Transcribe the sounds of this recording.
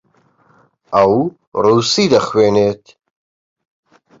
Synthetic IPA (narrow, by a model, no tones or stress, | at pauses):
ʔɐw | ruːsiːd̪ɐxweːneːt̪